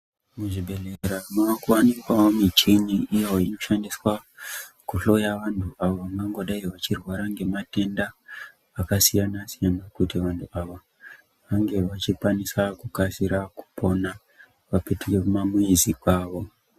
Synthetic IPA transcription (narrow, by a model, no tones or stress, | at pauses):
muʐibʱe̞ɮeɾamakuwanikwaomit͡ʃiniʔːjeoino̞ʃandiswa | kuɬo̞jaʋantʰuaʋomaŋɡo̞ɗaiʋat͡ʃirwaɾaŋɡe̞mate̞ndaː | kasijanasijanakutiʋantʰuaʋa | ʋaŋɡe̞ʋat͡ʃikwanisakukasiɾaku̥pʰo̞na | ʋapetukekumamuizikwaːʋo̞